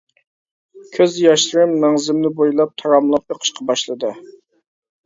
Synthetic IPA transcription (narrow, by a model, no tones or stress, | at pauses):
kʲʰøzjɑʃˠɾɨmːɛŋzɪmnɪbojlˠɑp̚t̪ʰɑɾɑmlˠɑp̚eqʰə̥ʃqʰɑbɑʃlˠɨd̪ɨ